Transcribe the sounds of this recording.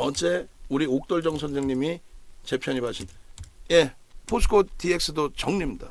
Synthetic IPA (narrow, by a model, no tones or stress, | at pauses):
ʌd͡ʑe̞uɾiok̚t͈ʌɭd͡ʑʌŋsʰʌnd͡ʑʰeŋɲimit͡ɕe̞pʰjʌɲimɦaɕʰinje̞ | pʰosʰkʰotiek̚s͈ɯdot͡ɕʌŋɲimɲida